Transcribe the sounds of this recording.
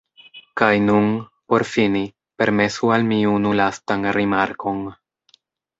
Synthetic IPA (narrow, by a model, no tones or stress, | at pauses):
kajnun | po̞ɾfini | pe̞ɾme̞sualmiunulastanɾimaɾko̞n